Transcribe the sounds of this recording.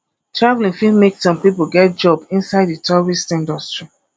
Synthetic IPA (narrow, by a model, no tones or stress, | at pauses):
tɹavlĩŋfimeksɔ̃npip̬oɡɛt̚d͡ʒɔbĩnsaɪditɔɹistĩndɔstɹi